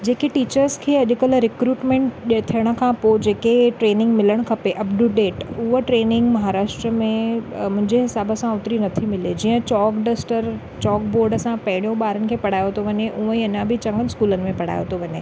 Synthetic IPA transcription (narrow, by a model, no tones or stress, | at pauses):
d͡ʑeːkeʈiːt͡ɕəɾskʰeːɐʄʊkəlɾɪkɾuːʈmẽːɳʈt̪ʰijəɽ̃ə̆kʰãpod͡ʑeːkeʈɾeːnɪ̃ŋɡmɪləɽ̃kʰɐpeʔɐpɖʊɖeːʈʊɦoʈɾeːnɪ̃ŋɡmɐɦaːɾaːʃʈɾəmẽmʊ̃ɦɪ̃ɲd͡ʑeɦɪsaːbəsãʊt̪ɾinɐt̪ʰimɪled͡ʑiːə̃t͡ɕɔːkɖesʈəɾ | t͡ɕɔːk̚boːɾɖəsãpɐ̃ɦɪɽ̃ijõɓaːɾənɪ̆kʰeːpɐɽ̤aːjot̪ʰoʋɐɲeʔũːiɐɲãbɪt͡ɕɐ̃ŋɡənɪskuːlənɪ̆mẽpɐɽ̤a̰ːjo̰t̪ʰoʋɐɲḛː